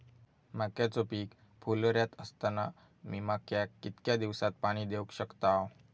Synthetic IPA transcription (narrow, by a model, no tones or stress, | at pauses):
makjat͡sopiːk | fʰulɾjat̪əst̪ana | miːmakjakːit̪kjad̪iʋsat̪̚paɽ̃iːd̪ewkɕəkt̪aw